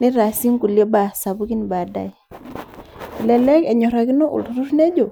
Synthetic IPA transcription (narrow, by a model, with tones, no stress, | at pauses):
ni˦ɾa˨si˦ŋku˨lje˦ba˨sa˨bu˦ki˦ni˨ba˨da̰˨j | i˨lɛ˨lɛ˦kɛ˨ɲɔ˨ɾa˨ki˦no˦ʔṵ˨ltu˨ɾu˦ɾne˦d͡ʒo˨